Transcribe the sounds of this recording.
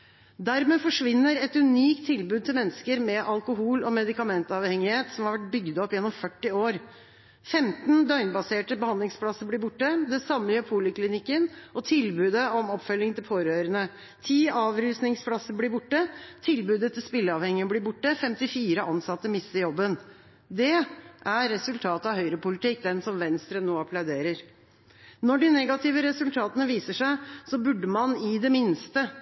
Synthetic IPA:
d̪æɾmeːfɔʂʋɪnːəɾɛt̪ʉniːkt̪ʰːɪlbʉːd̪t̪ʰɪlmɛnːskəɾmɛʔɑlkʊɦuːlɔmɛd̪ɪkɑmɛnt̪ɑʋhɛŋɪheːt̪sɔmhɑɾʋæʈ̚bʏɡd̪ɔpːjɛnːɔmfœʈːɪoːɾ | fɛmt̪nd̪œʏnbɑseːʈəbəhɑnd̪lɪŋspʰlɑsəblɪːbʊʈːəd̪ɛsɑmːəjøːpʰuːləklɪnɪkːənɔt̪ʰɪlbʉːd̪əɔmɔpːfœlːɪŋənt̪ʰɪlfʰoːɾøːɾənə | t̪ʰiːɑːʋɾʉːsnɪŋspʰlɑsəblɪːbʊʈːət̪ʰɪlbʉːd̪ət̪ʰɪlspɪlːəɑːʋhɛŋɪənəblɪbʊʈːəfɛmt̪ɪfiːɾəʔɑnsɑt̪ːəmɪst̪ːəjɔbːən | d̪ɛʔæɾːɛsʉlt̪ʰɑːt̪əɑʋɦœʏɾəpʊlɪt̪ɪk̚ːd̪ɛnsɔmʋɛnst̪ɾənoːɑpʰlɑʉd̪eːɾəɾ | nɔɖɪnɛɡɑt̪ʰɪʋəɾɛsʉlt̪ʰɑːt̪ənəʋiːsəʂæɪsɔbʉɖːəmɑnɪd̪ɛmɪnst̪ə

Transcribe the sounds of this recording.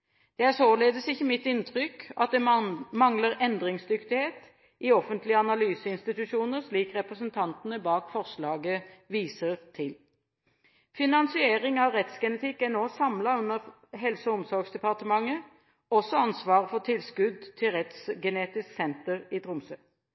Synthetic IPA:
d̪̥ɛæsoːleːd̪əsɪçːəmɪt̪ːɪnt̪ʰʁʏkɑt̪̚d̪ɛmɑŋləɾɛnd̪ɾɪŋsd̪ʏkt̪ɪheːt̪ | ʔɪɔfənt̪lɪəɑnɑlyːsəɪnst̪ɪt̪ʉʃuːnəɾʂliːkʁɛpɾəsənt̪ʰɑnt̪nəbɑːkfɔʁʂlɑːɡəʋiːsəʁt̪ʰɪl | fɪnɑnsɪeːɾɪŋɑʋɾɛt̪sɡɛnət̪ʰɪkːænoːsɑmlɑʉnəʁ | ɦɛlsɔʊmsɔɾɡsd̪ɛpɑʁt̪əmɑŋːə | ɔsɔɑnsʋɑːʁəfɔt̪ʰɪlskʉd̪t̪ʰɪlʁɛt̪sɡɛneːt̪ɪsksɛnt̪əʁɪt̪ʰɾʊmsø

